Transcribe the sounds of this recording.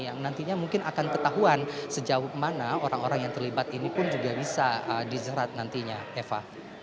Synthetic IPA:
jaŋnant̪iɲamuŋkɪnʔakankət̪aɦuansəd͡ʒaʊmanaoɾaŋoɾaŋjaŋt̪ərlibat̪inipʊnd͡ʒuɡabisaədizəɾat̪̚nant̪iɲaefa

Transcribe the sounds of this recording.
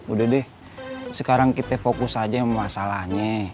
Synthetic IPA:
udahdɛh | səkaɾaŋkit̪ɛfokusad͡ʒamasalahɲa

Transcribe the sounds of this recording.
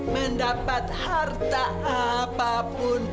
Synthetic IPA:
məndapat̪̚hart̪aː | papʊn

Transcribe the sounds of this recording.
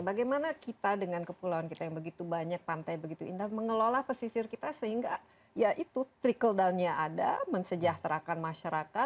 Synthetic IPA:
baɡajmanakit̪adəŋankəpulawankit̪ajaŋbəɡit̪ubaɲak̚pant̪ajbəɡit̪uḭndahməŋəlolahpəsisɪrkit̪asəɦiŋɡa | jaʔit̪ut̪ɾikəldalɲaʔada̰məɲsəd͡ʒaht̪ɾakanmaʃaɾakat̪̚

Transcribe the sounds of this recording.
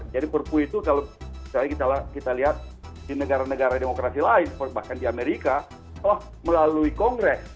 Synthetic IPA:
d͡ʒadipərpuit̪ukalosajakit̪alakit̪aliɦat̪̚dinəɡaɾanəɡaɾademokɾasilaɪnpəbahkandiameɾika | ɔh | məlaluikɔŋɡɾɛs

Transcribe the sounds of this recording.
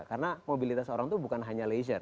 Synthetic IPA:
karnamobilit̪asoɾaŋt̪ubukanɦaɲaleis̬ər

